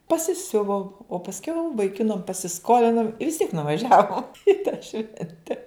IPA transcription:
pɐsʲɪˈsʲʊʋoːm oː pɐsʲˈkʲɛʊ ʋɐɪˈkʲɪnɐm pɐsʲɪˈskoːlʲɪnoːm ɪ ʋʲɪs tʲiɛk nʊʋɐˈʒʲæːʋoːm ɪ tɑː ˈʃʲʋʲɛnʲtʲɛ

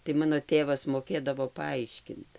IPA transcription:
tɐɪ ˈmɑːnoː ˈtʲeːʋɐs moːˈkʲeːdɐʋoː pɐˈɐɪʃʲkʲɪnt

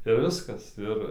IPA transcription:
ɪr ˈʋʲɪskɐs ˈɪr

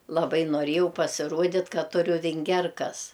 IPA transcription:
lˠɐˈbɐɪ noːˈrʲeːjɛʊ pɐsʲɪˈruɔdʲɪtʲ ˈkɐt ˈtʊrʲʊ ʋʲɪŋʲˈɡʲɛrkɐs

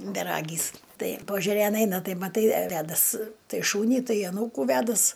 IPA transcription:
bʲɛˈrɑːɡʲiːs ˈtɐɪ pɐʒʲɛˈrʲeːn ˈɛɪnɐ ˈtɐɪ mɐˈtɐɪ ˈʋʲæːdɐs ˈtɐɪ ˈʃuːnʲiː ˈtɐɪ ɐˈnuːkuː ˈʋʲæːdɐs

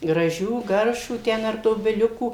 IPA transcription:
ɡrɐˈʒʲuː ˈɡɐrʃʋuː ˈtʲɛn ɐr doːbʲɪˈlʲʊkuː

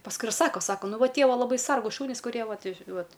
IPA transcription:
pɐsˈkʊɪ ɪr ˈsɑːkoː ˈsɑːkoː ˈnʊ ˈʋɐ ˈtʲiɛ ˈʋɐ lˠɐˈbɐɪ ˈsɐrɡuːs ˈʃʊnʲiːs kʊˈrʲiɛ ˈʋɐt ˈʋɐt

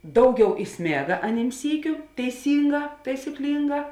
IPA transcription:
ˈdɐʊˌɡʲɛʊ ɪˈsʲmʲeːɡɐ ɐˈnʲiːm ˈsʲiːkʲʊ tʲɛɪˈsʲiːŋˌɡɑː tɐɪsʲɪˈklʲiːŋˌɡɑː

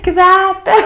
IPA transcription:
ˈkʋʲæːpʲɛ

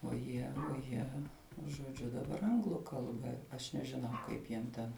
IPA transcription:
oː ˈjiɛ oː ˈjiɛ ʒoːˈd͡ʒʲʊ dɐˈbɐr ˈɐŋɡlˠʊ ˈkɐlˠbɐ ɐʃ nʲɛʒʲɪˈnɐʊ ˈkɐɪp jiɛm ˈtʲɛn

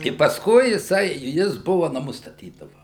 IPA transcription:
ɪ pɐsˈkʊɪ jɪˈsɐɪ ˈjɪs ˈbʊʋɐ nɐˈmʊs stɐˈtʲiːdɐʋɐ

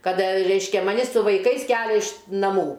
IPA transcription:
ˈkɐt ˈrʲɛɪʃʲkʲɛ mɐˈnʲɪ sʊ ʋɐɪˈkɐɪs ˈkʲæːlʲɛ ɪʃ nɐˈmuː

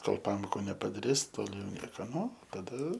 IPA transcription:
ˈkoːlˠ ˈpɑːmoːkʊ nʲɛpɐdɐˈrʲɪs ˈtoːlʲ jɛʊ ˈnʲiɛkɐ ˈnʊ tɐˈdɐ

